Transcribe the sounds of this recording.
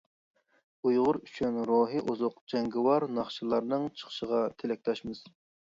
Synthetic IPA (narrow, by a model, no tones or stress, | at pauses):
ujʁʊɾyt͡ʃʰynɾoːɦɨʔuzʊqd͡ʒɛŋɡɪwɑɾnɑχʃɨlˠɑɾnɨŋt͡ʃʰə̥χʃəʁɑt̪ʰelɛk̚ʲt̪ɛʃmɨz̥